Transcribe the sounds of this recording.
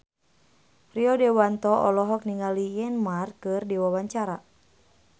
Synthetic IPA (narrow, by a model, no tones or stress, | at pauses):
riɔdɛwant̪ɔʔɔlɔɦɔk̚niŋalijɛnmarkɨrdiwawaɲt͡ʃaɾa